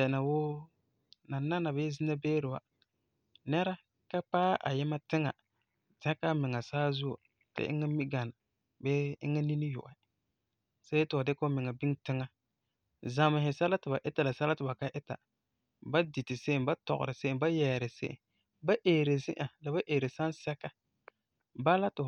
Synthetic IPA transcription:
ɛ˨na˨woː˦ | na˨na˦na˨ba˦zi˦na˦beː˦ɾɪ˨wa̰˨ | nɛ˦ɾa˦ | ka˦k͡paː˦ʔa̰˨jɪ˦ma˦tɪ˦ŋa̰˨ | tɛ˦ka˦mɪ˨ŋa˨saː˦zu˦o̰˨ | tɪ̰˦ʔɪ̰˦ŋa˦mi˦ɡa˨na˨ | bɛ˦ɪ̰˦ŋa˦ni˦ni˦jʊ̰˨ʔa˨ | sa˦tɪ˨a˨dɪ˦ko˦mɪ˨ŋa˨bi˦ŋtɪ˦ŋa˦ | za˨ma˨hɪ˨sa˦la˦tɪ˨ba˨ʔɪ˦ta˨la˨sa˦la˦tɪ˨ba˨ka˦ʔɪ˦ta̰˨ | ba˦di˨tɪ˨se˦nba˦tɔ̰˨ɣʊ̰˨ɾɪ˨se˦ɪ˦ba˦jɛː˨ɾɪ˨sḛ˦ʔɪ̰˨ | ba˦ʔeː˨ɾe˨zɪ̰˦ʔa˨la˨ba˦ʔe˨ɾe˨sa˦nsɛ˦ka˦ | ba˦la˦tɪ˨

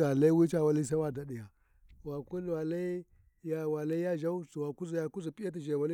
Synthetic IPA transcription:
a˨la˦i˦wi˦t͡ʃa˦wa˦li˦s̬a˦wa˦˨da˨di˨ja˨ | wa˨ku˦lwa˨la˦i˦ | ja˦wa˨la˦i˦ja˦ʒa˦u˦su˨wa˨ku˦zi˨ja˨ku˦zu˨pʼi˦ja˦t̬i˨d͡ʒe˨wa˨li˦

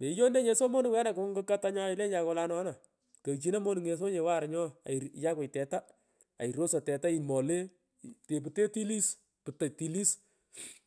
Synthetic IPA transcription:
me˨i˦jo˦ne˦ɲe˨so˦mo˦ni˨wa˦na˨kʊ˦ŋɡɨ˦ka˦ta˦ɲɔ˦˨ɪ˨le˦nja˧kɔ˧la˦nɔ˦na˨ | kɐ˨t͡ʃi˦na˦mo˦ni˨ŋe˨s̬o˦ɲe˨wa˦˨ɾɲɔ˦a̰˨i˨ja˦kʊ˨tɛ˨ta˦ | a̰˨i˨ɾo˦sa˨tɛ˨ta˦i˨mɔ˨le˦ | te˨p̬ɨ˨te˦ti˦li˦s | pɨ˨ta˨ti˨li˦s

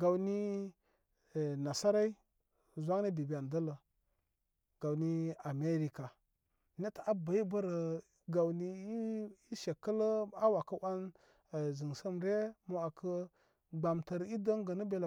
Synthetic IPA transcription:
ɡa˨wni˦˨ | na˨sa˦ɾa˦i˦ | zʷa˦ŋni˦bi˨bi˨a˨ndə˦lə˨ | ɡ̥a˨wni˦a˨me˦ɾi˨ka˨ | ne˦ta˨a˦ba˨i˦bə˦ɾə˨ | ɡa˨wni˦i˦ʃe˨kːə˦lə˦a˦wa˨kə˦wa˦n˨ | zi˨ŋsə˦mɾe˦mo˨a˨kʰə˦ | ɡ͡ba˨mtə˨ɾi˦də˦ŋɡə˨nə˦be˨la˨

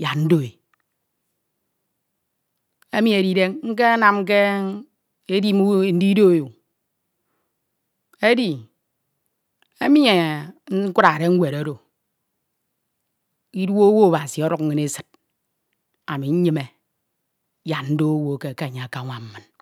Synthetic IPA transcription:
ja˨tn̩˦do˦e˨ | e˦mi˦e˨ɾi˦de˦ŋŋ̩˦k̬e˦a˦na˨m˦k̬e˦ | e˦di˦m˦˨˦n̩˦di˦do˦˨ju˨ | e˦di˨ | e˦mi˦ɲe˨ŋ̩˦kʷu˦ɾa˨ɾe˦ŋ̩˦wʷe˨ɾo˦ɾo˨ | i˦dwo˦wo˦o˨ba˨si˨ɔ˦ɾu˨˦kŋ̩˦e˦ne˦sɨ̥˨t̚ | a˨mi˨ɲ̩˦ɲɨ˦me˨ | ja˨tn̩˦do˦o˦wo˦˨ke˦˨ke˦a˨ɲe˨a˨ka˨˦ŋʷa˨m̩˦mɨ˨n

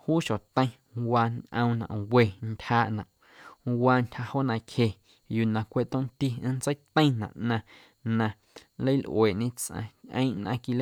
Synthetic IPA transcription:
huː˦ʃo˨t̪ə̃˦j̃ | waː˧nʔə̰̃˧w̃nã̰˨we˨ntʲhaː˧ʔnã̰˨ʔ | waː˧ntʲha˧ho˦nã˧khe˨ | juː˧˨nã˨kʷe˧ʔt̪õ˦ʔnt̪i˦ə̃˦nt͡sə˦jt̪ə̃˦j̃nã̰˨ʔnã˧ | nã˧ | lə˦jlʔw̰eː˨ʔɲẽ˦t͡sʔã̰˧ʔə̰̃˦ʔnã˧ki˧l

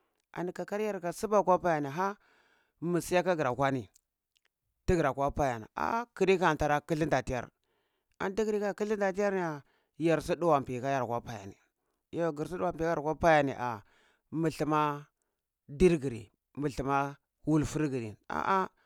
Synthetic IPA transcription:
a̰˨ni˨ka˨ka˦ɾja˦ɾka˨si˦ba˦kʷa˦pa˦ja˨ni˨ɦa˦ | mi˨si˦ja˦ka˦ɡi˨ɾa˨kʷa˦ni˨ | ti˦ɡi˨ɾa˨kʷa˦pa˦ja˨na̰˨a̰˦˨ki˨ɾi˦ka˨ta˨ɾa˦ki˦ɬi˦nda˨ti˦ja̰˨ɾ | a̰˨n˦di˦ɡi˨ɾi˦ka˦ki˦ɬi˦nda˨ti˦ja˦ɾni˦a˨ | ja˨ɾsi˦du˦wa˨m˨pi˨ka˦ja˨ɾkʷa˦pa˦ja̰˨nḭ˨ | jo˦˨ɡi˨ɾs̬i˦du˦wa˨mpi˨a˦a˨a˦pa˦ja˨nḭ˨ʔa˨ | mi˨ɬi˨ma˦ | di˦ɾɡi˨ɾḭ˨ | mə˨ɬi˨ma˦ | wu˦lfu˦ɾɡi˨ɾḭ˨a̰˨ʔa˦

